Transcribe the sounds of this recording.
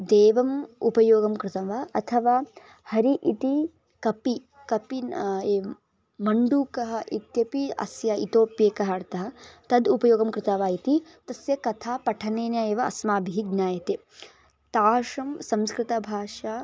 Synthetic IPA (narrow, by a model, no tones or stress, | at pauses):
d̪eːʋɐmupɐjoːɡɐmkɾɪt̪ɐʋaːɐt̪ʰɐʋaː | hɐɾiʔit̪i | kɐpi | kɐpieː | mɐɳɖuːkɐɦɐʔit̪jɐpiɐ̰sjaḭt̪oːpjeːkɐɦɐɾt̪ɐɦɐ̆t̪ɐd̪upɐjoːɡɐmkɾɪt̪ɐʋaːit̪it̪ɐsjɐkɐt̪ʰaːpɐʈʰɐneːnjaːeːʋɐɐ̰smaːbʱiɦiɡnjaːjɐt̪e | t̪aːʃɐmsɐmskɾɪt̪ɐbʱaːʂaː